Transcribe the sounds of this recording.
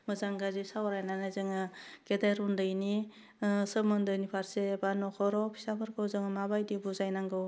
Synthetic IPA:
mɯzaŋɡazisawɾajnanazɯŋɯkedajɾɔndɯjni | səmɯndɯjnipʰaɾsebanɔkʰɔɾɔpʰi̥sapʰɯɾkʰɯwzɯŋɯmabajdibuzajnaŋɡɯw

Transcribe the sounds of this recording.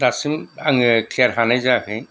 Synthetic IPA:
ɾasimaŋkʰiaɾɦanajzakɯj

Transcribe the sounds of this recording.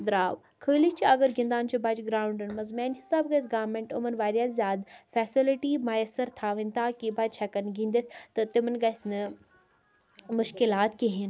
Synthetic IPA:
d̪ɾaːʋ | kʰəːlit͡ʃiɐɡəɾɡĩnd̪aːnt͡ʃʰubaːd͡ʒɡɾaːʊɳɖɨnmɐzmaːnɦɪsaːbɡɐjs̬ɡaːʋɾmẽɳʈʊmənʋaːɾijaːszjaːd̪fɛːsɪlɪʈimaːjɐsəɾt̪ʰaːʋĩnt̪ʰakibaːd͡ʒt͡ʃʰɛːkənɡʱĩːnd̪et̪ʰt̪ɐt̪ɪmənɡɐsnɐ | mʊʃkɪlaːt̪kiɦɪn

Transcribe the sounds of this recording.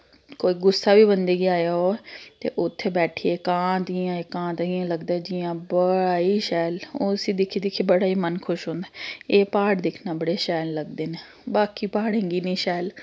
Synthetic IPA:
koːiːɡʊsːaːʋiːbənd̪eːɡiaːjaoːɛt̪ḛːʔʊt̪ʰːeːbɛːʈʰiːeːkãːd̪ijãːeːkãːt̪ːijãːləɡd̪aːɛd͡ʒɪjãːbəɽaːiːʃɛːloːsĩːd̪ɪkʰiːd̪ɪkʰːeːbəɽaːiːmənkʰʊʃɦõːnd̪aːeːpaːɽd̪ɪkʰnaːbəɽeːʃɛːlːəɡd̪eːneː | baːkiːpaːɽẽːŋɡiːnĩːʃɛːl

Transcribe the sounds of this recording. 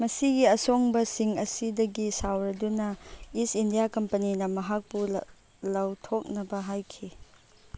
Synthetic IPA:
mɐsiɡiɐsoŋbɐsiŋɐsidɐɡisawɾɐdunɐisindijakɐmpɐninɐmɐɦak̚pu | lɐwtʰok̚nɐbɐɦajkʰi

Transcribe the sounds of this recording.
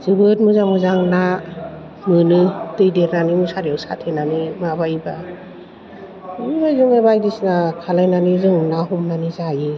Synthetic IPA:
z̥ɯbɯt̚mɯzamɯzaŋna | mɯnɯtɯjdeɾnanimɯsaɾiawsa̰tʰenanimabajba | mɯajzɯŋebajdisnakʰalajnanizɯŋnaɦumnanizaji

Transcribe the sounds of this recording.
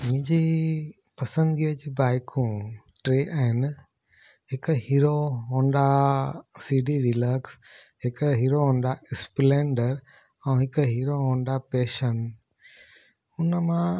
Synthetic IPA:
mɪ̃ːɲd͡ʑi | pɐsə̃nd̪ɡiəd͡ʑiːbaːɪkʰũ | ʈɾeːʔaːɦɪn | ɦɪkɦiːɾoɦõːnd̪a | siːɖiɾiləɾks | ɦɪkɦiːɾoɦõːnd̪aɪsplẽːɳɖəɾ | ɛ̃ːɦɪkɦiːɾoɦõːnd̪apeːʃən | ʊnəmã

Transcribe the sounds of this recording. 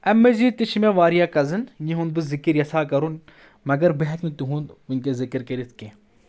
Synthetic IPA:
ɐmːeziːt̪it͡ʃʰimeːʋaːɾijaːkɐzɨnjiɦund̪̚bɨzikiɾjɐsaːkɐɾun | mɐɡɐɾbeɦɛknɨt̪uɦũnd̪unkeːzikɨɾkɐɾit̪ʰkeː

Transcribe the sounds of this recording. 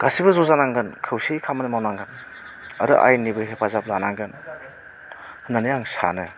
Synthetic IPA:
ɡ̥asibɯzɔzanaŋɡɯnkʰɯwsijkʰamanɯmawnaŋɡɯn | ɐɾɯ̰ʔa̰jnibɯjɦepʰazablanaŋɡɯn | hɯnanɯjaŋsa̰nɯ

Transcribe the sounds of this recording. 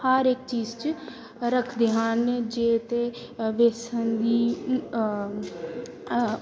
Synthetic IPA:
həɾek̚t͡ʃiːzt͡ʃ | ɾəkʰd̪eɦaːnd͡ʒeːt̪e | ʋeːsənd̪iː

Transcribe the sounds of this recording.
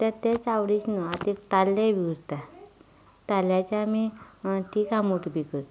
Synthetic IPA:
t̪et̪et͡sawɽisnɔat̪it̪alːeʋiɡɾt̪a | t̪aljat͡ɕamiʈʰiːkamuʈbikəɾt̪

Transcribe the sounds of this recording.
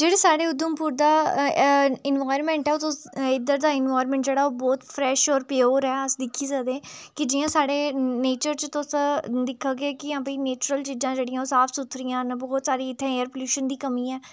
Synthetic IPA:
d͡ʒeːɽeːsaːɽeːʊd̪əmpuːɾd̪aː | ɪnʋaːjɾmɛ̃ːɳʈɛːot̪ʊɪd̪əɾd̪aːɪnʋaːjɾmɛ̃ːɳʈd͡ʒeːɽaːoːbɔːt̪pʰɾɛːʃɔːɾpjoːɾɛːəsd̪ɪkʰːiːzaːd̪ẽːkɪd͡ʒɪːãːsaːɽeːneːt͡ʃəɾt͡ʃt̪ʊsd̪ɪkʰːaːɡeːkɪãːpiːneːt͡ʃɾəlt͡ʃid͡ʒãːd͡ʒeːɽɪijãːosaːpʰsʊt̪ʰɾɪjãːnbɔːt̪saːɾiːɪt̪ʰːẽːeːəɾpəljuːʃənd̪iːkəmiːɛː

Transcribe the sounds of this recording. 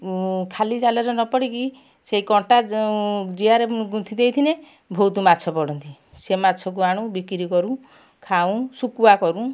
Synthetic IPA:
kʰalid͡ʒalɔɾɔnɔpɔɽiki | seɦikɔɳʈa | d͡ʒiaɾeɡut̪ʰid̪ejt̪ʰine | bʱɔwt̪umat͡ʃʰɔpɔɽɔnt̪i | semat͡ʃʰɔk̬uaɽ̃ũbikɾikɔɾũ | kʰaũsukuakɔɾũ

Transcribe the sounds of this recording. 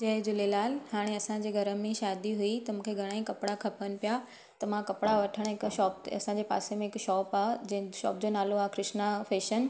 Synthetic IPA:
d͡ʑɐɦɪd͡ʑʊlelaːlhaːɽ̃eɐsãd͡ʑeːɡʱɐɾə̆mẽʃaːd̪iɦuit̪ɐmũːkʰeɡʱɐɽ̃aːikɐpɽakʰɐpənɪ̆pja | t̪ɐmãkɐpɽaʋɐʈʰəɽ̃ɦɪkʃɔːp̪̚ɐ̰sãd͡ʑepa̰ːsemẽɪkʃɔːpaːd͡ʑʃɔ̰ːp̚d͡ʑoːnaːloaːkɾɪʃnafeːʃən

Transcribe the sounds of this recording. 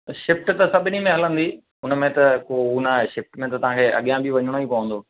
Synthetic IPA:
ʃɪfʈt̪ɐsɐbʱɪnimẽɦɐlə̃nd̪iː | ɦʊnəmẽt̪ɐkounaːɦeʃɪfʈmẽt̪ɐt̪ɐʋ̤ãkʰeːʔɐ̰ɠijãbʱiʋɐɲəɽ̃oipɐʋə̃nd̪oː

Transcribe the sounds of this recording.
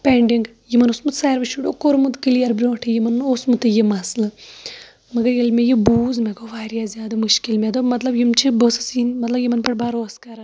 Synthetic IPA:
peɳɖiŋɡ | jimɐnosmut̪saːjɾʋɐʃuɽokoɾmud̪kilijɐɾbɾʲoʋɐʈʰɐjimɐnːosmut̪ɨjimaːslɨ | mɐɡɐɾjelmejibuːzmeɡoʋaːɾjaːzʲaːd̪ɐmuʃkilmʲed̪omɐt̪lɐbjimt͡ʃʰibosɨ̥sinmɐt̪lɐbjimɐnpɐʈbaːɾoɐskaɾɐ

